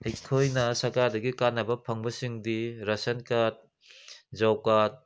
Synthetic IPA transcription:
hɐjkʰojnɐsɐɾkaɾdɐɡikanːɐbɐpʰɐŋbɐsiŋdiɾɐsɐnkat̚ | d͡ʒawkat̚

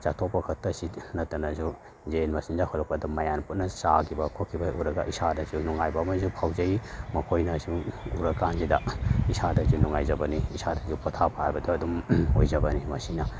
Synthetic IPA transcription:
t͡ʃatʰopːɐkʰɐk̚tɐsinɐtːɐnɐzu | zenmɐsinzahɔlɐk̚pɐdɐmɐjanput̚nɐsakʰibɐkʰokʰːibɐuɾɐɡɐ̰ʔisadɐzunuŋajbɐːmɐzupʰawzɐimɐkʰojnɐzuuɾɐkːanzidɐisadɐzunuŋajzɐbɐniisadɐzupʰɐtʰapʰaajbɐduɐdumojzɐbɐnimɐsinɐ

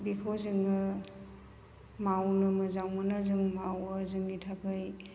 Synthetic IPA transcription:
bikʰozɯŋɯ | mawnɯmɯzawmanazɯŋmawəzɯŋitʰakʰɯj

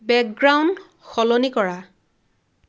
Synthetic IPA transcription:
bɛk̚ɡɹawnd | xɔlɔnikɔɹa

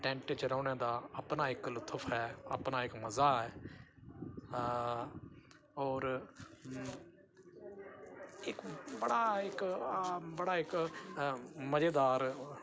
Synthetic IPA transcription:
ʈɛ̃ːɳʈt͡ʃəɾɔːneːd̪aːəpnaːɪklʊt̪ʰːəpʰɦɛːə̰pnaːɪkməzaːɦɛː | ɔːɾ | ɪkbəɽaːɪk | bəɽaːɪk | məd͡ʒeːd̪aːɾ

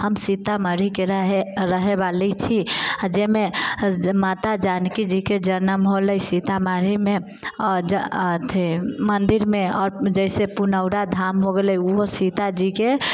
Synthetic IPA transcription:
həmsit̪aməɾ̤ikeeɾəɦebalit͡ʃʰiad͡ʒeme | mat̪ad͡ʒankid͡ʒiked͡ʒənəmɦoləjsit̪amaɾ̤ime | d͡ʒt̪ʰmənd̪iɾmeɔːɾd͡ʒəɪsepunəʊɽad̪ʱamɦoɡeləjuɦosit̪ad͡ʒike

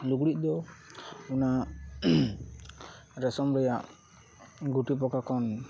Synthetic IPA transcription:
luɡɽiʔ̚ˀd̪ɔ | una | ɾɛsɔmɾɛjaʔ | ɡuʈip̬ɔkakɔn

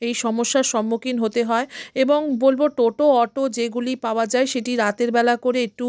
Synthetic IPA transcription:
ejʃɔmoʃːaɾʃɔmːokinɦot̪eɦɔeeboŋbolboʈoʈoɔʈod͡ʑeɡulipaoad͡ʑaeʃeʈiɾat̪eɾbɛlakoɾeek̚ʈu

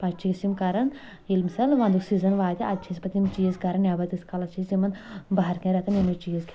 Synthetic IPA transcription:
pɐt͡ʃt͡ʃʰiːsimkɐɾɐn | ilmsɐlʋɐ̃nd̪uksiːzɐnʋaːt̪ʲiɐt͡ʃʰisʲpɐt̪imt͡ʃiːzkɐɾɐnjaːbɐt̪iskɐlɐt͡ʃʰisimɐnbɐɦɐɾkẽɾet̪ʰɐnimit͡ʃiːzkʲʰ

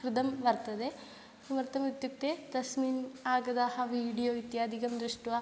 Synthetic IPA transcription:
kɾid̪ɐmʋɐɾt̪ɐd̪e | sʋɐɾt̪ɐmit̪juk̚t̪eːd̪ɐsminaːɡɐd̪aːhɐʋiːɽijoːit̪jaːd̪ʱikɐmd̪ɾiʂʈʋa

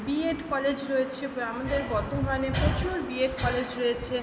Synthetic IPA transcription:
bieʈkɔled͡ʑɾoet͡ɕʰeamad̪eɾbɔt̪omanepɾot͡ɕuɾbieʈkɔled͡ʑɾoet͡ɕʰe

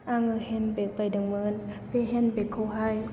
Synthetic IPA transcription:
ʔaŋɯhenbek̚pajdɯŋmɯːnpeɦenbekʰːoɦaj

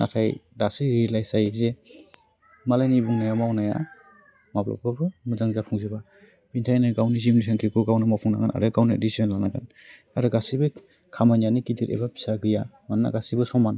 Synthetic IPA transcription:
na̰tʰajdasɯɾilajsajze | malajnibuŋnajamawnaja̰ | mablɔ̰pʰɯbɯmɯzaŋzapʰuŋzeba | b̥intʰajnaɡawnizimnisʰaŋkʰikɯɡawnɯmapʰuŋna̰ɡana̰ɾɯɡawnɯ̰disiɔnlanaɡan | aɾɯɡasibɯ | kʰamanjanikitʰiɾḛbapi̥saɡɯjamanna̰ɡasibɯsɔman

